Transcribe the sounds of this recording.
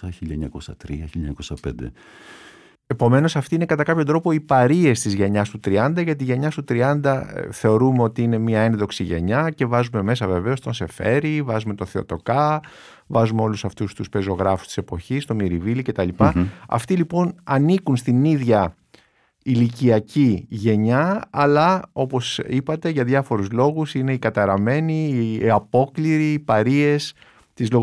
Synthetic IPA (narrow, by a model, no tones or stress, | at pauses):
ɐçiʎɐɲɐkosɐt̪ɾiɐçiʎɐɲɐkosɐpḛnd̪ḛ | e̞po̞me̞no̞sɐft̪inekɐt̪ɐkɐpçod̪ɾo̞po̞ipɐɾie̞st̪izʝe̞ɲɐst̪ut̪ɾiɐnd̪ɐʝɐt̪iʝe̞ɲɐst̪ut̪ɾiɐnd̪ɐθe̞o̞ɾumeo̞t̪iine̞miɐe̞nðo̞ksiʝe̞̰ɲɐce̞vɐzume̞me̞sɐve̞ve̞o̞st̪o̞nse̞fe̞ɾivɐzume̞t̪oθeo̞̰t̪o̞kɐ | vɐzumeo̞lusɐft̪ust̪uspe̞zo̞ɣɾɐfu̥st̪i̥se̞po̞çist̪o̞miɾivilicet̪ɐlipɐɐ̰ft̪ilipo̞nɐnikunst̪iniðʝɐ | iliciɐciʝe̞ɲɐɐlɐo̞po̞sipɐt̪e̞ʝɐðʝɐfo̞ɾuzlo̞ɣusine̞ikɐt̪ɐɾɐme̞niɐpo̞kliɾiːpɐɾie̞s | t̪izlo